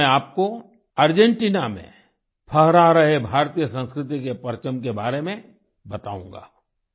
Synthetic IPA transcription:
ɛ̃aːp̚ko | ɐɾd͡ʒẽɳʈiːnamḛ̃ | pʰəɦɾaɾɐɦebʱaːɾt̪ijəsə̃nskɾɪt̪̬ikepɐɾt͡ʃəmkebaːɾemẽ | bɐt̪a̰ːṵ̃ːŋɡa̰ː

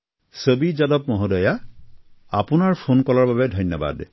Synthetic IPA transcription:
sobizadɔpmɔɦɔdɔja | apʊnaɹpʰonkɔlɔɹbabɛdʱɔjnːɔba̰d

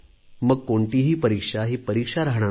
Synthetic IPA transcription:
məɡ̚koɳʈiɦiːpəɾikʂaɦiːpəɾikʂaɾaɦɳ̃a

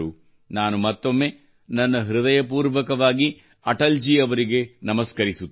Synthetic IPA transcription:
u | naːnumɐt̪ːo̞mːe̞ | nɐnːɐɦɾud̪ɐjɐpuːɾʋɐkɐʋaːɡi | ɐʈɐld͡ʒiːɐʋɐɾiɡe̞nɐmɐskɐɾisut̪ː

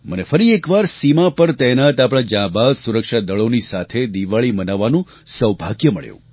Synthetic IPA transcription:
mənefəɾiekʋaɾsimapəɾt̪ɛjnat̪apɽ̃ãd͡ʒãbalsuɾəkʃad̪əɭonisat̪ʰed̪iʋaɭimənaʋːanũ | səʋbʱaɡjəməɭjṵ̃

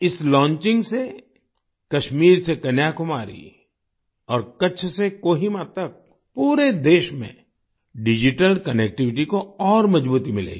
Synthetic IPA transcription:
ɪslɔ̃ːnt͡ʃɪ̃ŋɡse | kɐʃmiːɾsekɐnjaːkʊmaːɾḭ | ɔːɾkɐt͡ʃʰsekoːɦimat̪ɐk̚ | puːɾed̪eːʃmḛ̃ | ɖɪd͡ʒɪʈəlkɐnek̚ʈɪʋɪʈ̬ikoɔːɾmɐd͡ʒbuːt̪imɪlḛːɡi

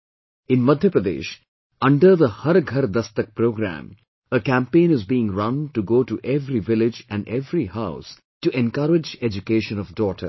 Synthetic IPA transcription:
ɪ̃nmʌd̪ʱjəpɾəd̪ḛːʃ | ʌ̃ɳɖəɾd̪əhʌɾɡʱɐɾd̪ɐst̪ək̚pɾoːɡɾæ̰̃m | əkæ̃mpẽːnɪzbiːɪ̃ŋɾʌ̃nʈuɡoːʈuʔeʋɾiʋɪlɪd͡ʒæ̃ɳɖeʋɾihaʊs | ʈuʔɛ̃nkʌɾɪd͡ʒed͡ʒukeːʃə̃nɔʋɖɔːʈʰə̰ɾ

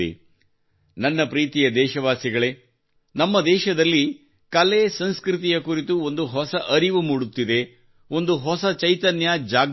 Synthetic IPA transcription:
ḛ | nɐnːɐpɾiːt̪ijɐd̪ɛːʃɐʋaːsiɡɐɭe̞ː | nɐmːɐd̪ɛːʃɐd̪ɐlːi | kɐlesɐnskɾit̪̬ijɐkuɾit̪uond̪uɦɔsɐʔɐɾiʋumuːɽut̪ːid̪e̞ | o̞nd̪uɦɔsɐt͡ʃɐjt̪ɐnjaːd͡ʒaːɡ

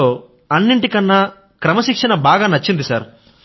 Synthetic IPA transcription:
ɐnːiɳʈikɐnːɐ | kɾɐmɐʃikʂɐnɐbaːɡaːnɐt͡ʃːind̪isaːɾ

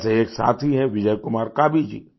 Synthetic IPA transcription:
seeːksa̰ːt̪ʰiɦɛ̃ʋɪd͡ʒəjkʊmaːɾkaːbid͡ʒḭː

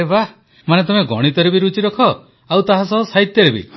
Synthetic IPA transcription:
ebah | manet̪ɔmeɡɔɽ̃it̪ɔɾebiɾut͡ʃiɾɔkʰɔ | awt̪aɦasɔbɔsajt̪jɔɾebḭ

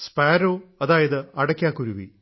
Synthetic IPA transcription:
spaːɾoːɐðaːjɐðɨɐɽɐkʲːaːkːuɾuʋḭ

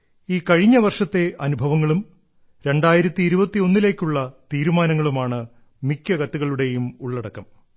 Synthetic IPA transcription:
iːkɐɻiɲːɐʋɐrʂɐt̪ːe̞ʔɐnubʱɐʋɐŋːɐɭum | ɾe̞ɳɖaːjiɾɐt̪ːiːɾubɐt̪ːio̞nːile̞ːkʲːuɭːɐt̪iːɾumaːnɐŋːɐɭumaːɳɨ | mikʲːɐkɐt̪ːuɣɐɭuɽe̞jumuɭːɐɽɐkːɐm

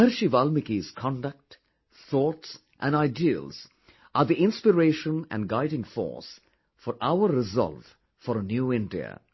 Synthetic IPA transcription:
ɛɾʃivalmɪkiz̥kʰɑ̃nɖək̚ʈ | θɔːʈs | ʔæ̰̃nɖaɪdiə̰lz̥ | ʔaɾd̪iɪ̃nspɪɾeːʃə̃næ̰̃nɖɡaɪɾɪ̃ŋfɔ̰ːs | fɔɾʔaʊəɾɪzɔ̰lv | fɔɾənjuːɪ̃ndḭə̰

